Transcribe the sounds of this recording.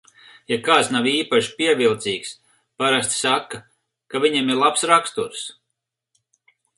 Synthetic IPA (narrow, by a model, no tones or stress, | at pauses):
jakaːt̪snawiːpaʃi̥piɛvilˠt̪siːks | paɾast̪sakːa | kavʲiɲɛmiɾlˠapsɾakst̪uɾs